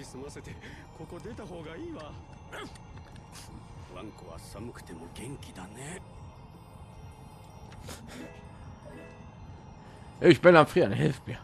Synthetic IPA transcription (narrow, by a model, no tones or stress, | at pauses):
isɨmase̞t̪eko̞ko̞d̪e̞t̪aɦo̞ːɡaiːβa | bã̰ŋkoβa̰samɯ̟kɯ̟̥t̪e̞moɡẽ̞ŋkʲid̪ane | eʃpenamfʁianḛhefpia